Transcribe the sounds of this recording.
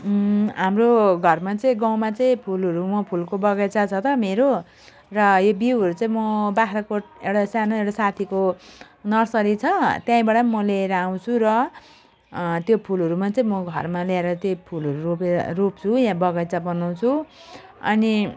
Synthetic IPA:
ɦamroɡʱʌrmat͡sʌĩɡaw̃mat͡sʌĩpʰulɦʌɾumʌpʰulkobʌɡʌjt͡sat͡sʰʌt̪ʌmeɾo | rʌjobiwɦʌɾut͡saĩmʌbaɦɾʌkoʈ̚ewɽasanaewɽasat̪ʰiko | nʌrsʌɾit͡sʰʌt̪jãĩbaʈʌmʌleɾʌaw̃t͡sʰuɾʌ | t̪jopʰulʌɾumat͡sʌĩmʌɡʱʌrmalaeɾʌt̪jopʰulʌɾuroperop̚t͡sʰujãbʌɡʌjt͡sabʌnaw̃t͡sʰu | ʌ̰ni

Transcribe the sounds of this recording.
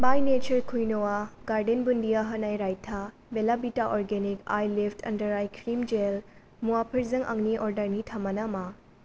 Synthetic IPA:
bajnet͡ʃɐɾkʰujnowaɡaɾɖenbundijaɦɐnajɾajtʰa | belabitaʔɔɾɡenika̰jlipʰtʰɐ̰ndɐɾajkʰɾimd͡ʒel | muwapʰɐɾzɐŋʔɐ̰ŋniʔɔɾdɐɾnitʰɐmɐnɐma

